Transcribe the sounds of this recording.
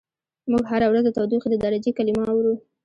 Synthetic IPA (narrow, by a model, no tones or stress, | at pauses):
muɡɦaɾawɾazət̪awd̪uxd̪əd̪ɑɾad͡ʒikalimɑawɾu